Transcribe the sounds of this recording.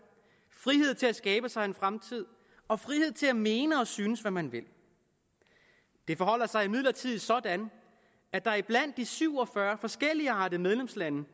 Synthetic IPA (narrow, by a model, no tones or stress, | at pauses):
fʁiɦe̝ð̰ˠt͡sʰe̝læsɡ̥ɛːb̥əsɑ̈ɪenfʁamt͡sʰið̞̰ˠ | ɒ̽fʁihe̝ð̞̰ˠt͡sʰe̝læme̝ːnəɒ̽syːnəsʋæmænʋe̝l | d̥e̝fɒ̽ɦɒ̽l̰ɐsɑ̈ɪimiðˠlɐt͡sʰið̞̰ˠisɒ̽d̥æn | æd̥ɑ̈æɐib̥læn̰d̥ːisyʊ̰ɒ̽fɶɐfɒ̽sɡ̥el̰iɑ̈ːdˠimeð̞ˠlemslænə